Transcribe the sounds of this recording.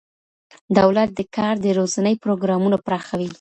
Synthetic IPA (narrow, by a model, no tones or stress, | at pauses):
d̪awlat̪̚d̪əkʰɑɾd̪əɾozanəjpɾoɡɾɑmunopɾɑxawi